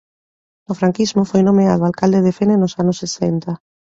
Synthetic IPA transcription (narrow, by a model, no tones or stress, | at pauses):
ʊfɾaŋkizmʊfojnomeaðoalkald̪eðefenenʊsanʊsːesɛnt̪a